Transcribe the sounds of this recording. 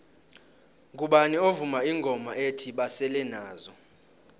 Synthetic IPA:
k̬ʼuɓanɛovumaiŋɡʱɔmaetʰiɓasɛlɛnaːzɔ

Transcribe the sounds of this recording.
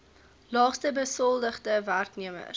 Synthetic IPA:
lɑːχstəbəsɔlˠdəχdəværkniəmə̰r

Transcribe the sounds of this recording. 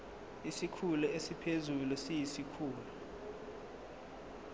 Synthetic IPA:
isikʰuluesipʰezulusijisikʰuːlu

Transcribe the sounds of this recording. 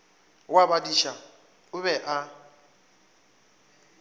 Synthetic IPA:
wabadiʃa | ʊβɛʔa

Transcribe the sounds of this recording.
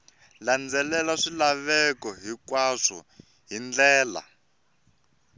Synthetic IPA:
land͡zɛlɛlaʂilaβɛkɔɦikwaʂɔ̰ | ɦind͡ɮɛːla̰

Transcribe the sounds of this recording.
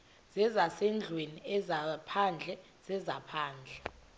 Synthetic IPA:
z̥ɛzasɛnd͡ɮʱweniɛzapʰand͡ɮʱɛ | z̥ɛzapʰaːnd͡ɮʱɛ

